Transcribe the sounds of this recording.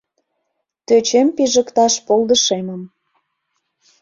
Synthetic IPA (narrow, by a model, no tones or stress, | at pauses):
t̪øt͡ɕempiʒə̆kt̪ɑʃpolˠd̪əʃeməm